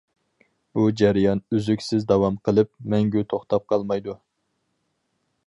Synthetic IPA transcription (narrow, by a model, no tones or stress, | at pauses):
b̥ud͡ʒæɾijɑnyzykʲsɪzd̪ɑwɑmqʰəlˠɨp̚mɛŋɡʲyt̪ʰoχt̪ɑp̚qʰɑlˠmɑjd̪u